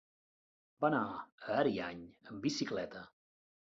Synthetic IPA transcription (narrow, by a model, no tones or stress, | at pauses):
banaəːɾiaɲəmbisiklɛt̪ə